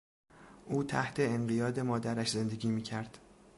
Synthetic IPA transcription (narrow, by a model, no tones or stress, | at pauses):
ʔuːt̪ʰæ̰ht̪ʰe̞eɴɢijɒːd̪e̞mɒːd̪æɾæʃze̞nd̪e̞ɡʲiːmiːcʰæɾd̪̥